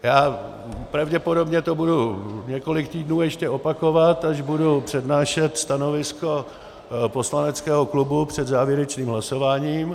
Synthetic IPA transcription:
jaː | pɾavɟɛpo̞do̞bɲɛt̪o̞buduɲɛko̞lɪkt̪iːdnuːjɛʃcɛʔo̞pako̞vat̪aʒbudupr̝̥ɛdnaːʃɛt̪st̪ano̞vɪsko̞ | po̞slanɛt͡skɛːɦoklubupr̝̥ɛd̪zaːvjɛɾɛt͡ʃniːmɦlaso̞vaːɲiːm

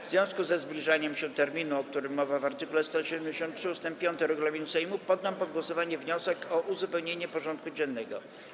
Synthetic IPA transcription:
vzvʲjɔ̃w̃skuzɛzblʲiʐaɲɛmɕɛt̪ɛɾmʲinuɔk̚t̪uɾɘmːɔvavaɾt̪ɘkulɛst̪ɔɕɛd̪ɛmd͡ʑeɕɔnt̪tʂɘust̪ɛmppʲjɔnt̪ɛɾɛɡulamʲinusɛjmupɔd̪ːampɔd̪ɡwɔsɔvaɲɛvɲɔsɛkʰɔʔuzupɛwɲeɲɛpɔʐɔnt̪̚kud͡ʑɛnːɛɡɔ̰

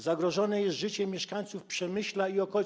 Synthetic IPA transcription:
zaɡɾɔʐɔnɛjɛst̪ʐɘt͡ɕɛmʲjɛʂkaɲ̃t̪sufpʂɛmɘɕlaiɔkɔ

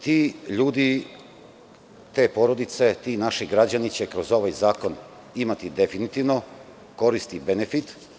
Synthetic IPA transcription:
t̪iːʎuːd̪i | t̪e̞ːpo̞ɾo̞d̪it̪se̞t̪iːnaʃiɡɾad͡ʑanit͡ɕekɾo̞zo̞ʋajzaːko̞n | imat̪id̪e̞finit̪iʋno̞ | ko̞ɾist̪ibenefit̪

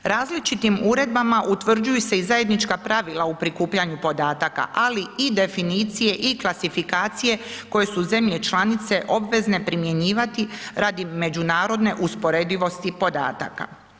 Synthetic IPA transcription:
ɾaːzlit͡ʃit̪imuːɾe̞d̪̚bamaʔut̪ʋr̩d͡ʒujuse̞izaje̞d̪nit͡ʃkapɾaʋilˠaupɾikuːpʎaɲupo̞d̪aːt̪aka̰ʔaliid̪e̞finiːt̪sije̞ʔiklˠasifikaːt̪sije̞ko̞je̞suze̞mʎe̞t͡ʃlanit̪se̞ʔo̞bʋe̞zne̞pɾimje̞ɲiːʋat̪iɾad̪ime̞d͡ʒunaːɾo̞d̪ne̞ʔuspo̞ɾe̞d̪iʋo̞st̪ipo̞d̪a̰ːt̪a̰ka̰

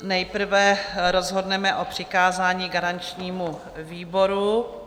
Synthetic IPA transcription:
nɛjpr̩vɛɾo̞zɦo̞dnɛmɛʔopr̝̥ɪkaːzaːɲiːɡaɾant͡ʃɲiːmu | viːbo̞ɾu

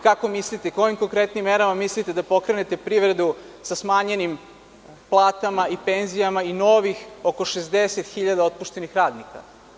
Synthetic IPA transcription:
kako̞mislit̪eko̞jimko̞ŋkɾe̞t̪nimːeɾamamislit̪ed̪apo̞kɾene̞t̪epɾiʋɾed̪u | sasmaːɲe̞nim | plˠaːt̪amaipe̞nzijamaino̞ʋixoko̞ʃezd̪eset̪xiʎad̪ao̞t̪̚puʃt̪e̞nixɾaːd̪nika̰

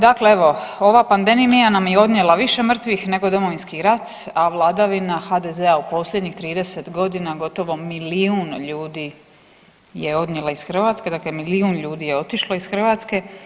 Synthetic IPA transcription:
d̪akleeʋo̞o̞ʋapand̪e̞mimijanamjeo̞d̪ɲe̞laʋiʃe̞mr̩t̪ʋixne̞ɡo̞d̪o̞mo̞ʋinskiɾat̪ | aʋlˠaːd̪aʋinaxad̪eze̞aupo̞sʎʲjed̪ɲixt̪ɾiːd̪e̞se̞t̪ɡo̞d̪inaɡo̞t̪o̞ʋo̞miliunʎuːd̪iː | je̞o̞d̪ɲelaisxr̩ʋaːt̪ske̞d̪aklemiliunʎuːd̪ije̞o̞t̪iʃlaisxr̩ʋaːt̪ske̞

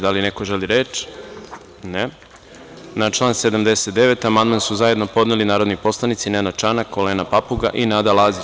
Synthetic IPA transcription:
d̪alinekoʒeliɾet͡ʃ | ne | nat͡ʃlˠaːnse̞d̪amd̪e̞set̪̚d̪e̞ʋet̪amand̪mansuzaje̞d̪no̞po̞d̪nelinaːɾod̪nipo̞slˠanit̪sinenat͡ʃanako̞leːnapapuɡa̰ʔinad̪alˠaːzi

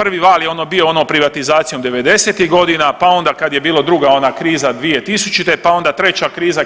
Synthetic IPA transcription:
pr̩ʋiʋaːljeo̞nobio̞onoːpɾiʋat̪izaːt̪sijo̞md̪e̞ʋe̞d̪e̞set̪iɦɡo̞d̪inapao̞nd̪akad̪je̞biːlod̪ɾuɡao̞naːkɾiːzad̪ʋije̞t̪isut͡ʃit̪e̞pao̞nd̪at̪ɾe̞t͡ɕakɾiːza

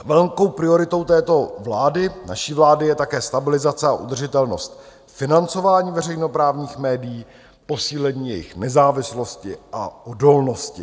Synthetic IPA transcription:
vɛlŋko̞wpɾɪo̞ɾɪt̪o̞wt̪ɛːt̪o̞vlaːdɪna̰ʃiːvlaːdɪjɛt̪akɛːst̪abɪlɪzat͡sɛaʔṵd̪r̩ʒɪt̪ɛlno̞st̪ | fɪnant͡so̞vaːɲiːvɛr̝ɛjno̞pɾaːvɲiːxmɛːdɪjiː | po̞siːlɛɲiːjɛjɪ̰xnɛzaːvɪslo̞scɪʔa̰ʔo̞do̞lno̞scɪ

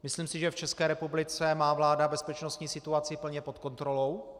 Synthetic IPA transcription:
mɪsliːmsɪʒɛft͡ʃɛskɛːɾɛpublɪt͡sɛmaːvlaːdabɛspɛt͡ʃnost̪ɲiːsɪt̪uat͡sɪpl̩ɲɛpo̞t̪ko̞nt̪ɾo̞lo̞w

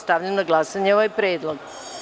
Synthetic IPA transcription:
st̪aʋʎenoɡlˠasaɲeoʋajpɾeːd̪lˠoɡ

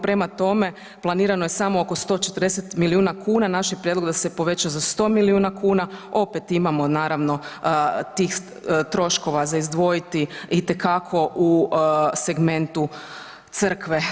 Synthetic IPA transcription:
pɾe̞mat̪o̞me̞ | plˠaniːɾanojesamooko̞st̪o̞ːt͡ʃet̪ərd̪eset̪miliuːnakʰuːnanaʃipɾjedlod̪asepo̞ʋe̞t͡ʃazast̪o̞ːmiliuːnakʰuːnao̞pet̪imamo̞naːɾaʋno̞t̪iːx | t̪ɾo̞ʃko̞ʋazaizd̪ʋo̞jit̪iit̪e̞kakʰo̞ʔuse̞ɡme̞nt̪u | t̪sər̩kʋe

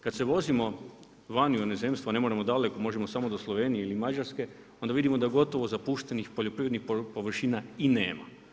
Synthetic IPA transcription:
kad̪seʋo̞zimo̞ | ʋanjuoneze̞mst̪ʋane̞mo̞ɾamo̞d̪ale̞ko̞mo̞ʒemosamo̞d̪o̞slˠo̞ʋe̞ːnijeilimad͡ʑaɾske̞ | o̞nd̪aʋid̪imo̞d̪aɡo̞t̪o̞ʋo̞zapuʃt̪e̞nixpoʎo̞pɾiʋɾed̪nixppo̞ʋr̩ʃinaine̞ːma̰

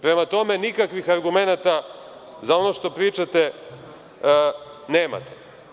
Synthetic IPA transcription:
pɾe̞mat̪o̞me̞nikakʋixaɾɡume̞nat̪a | zao̞no̞ʃt̪o̞pɾiːt͡ʃat̪e | ne̞ːma̰t̪e̥

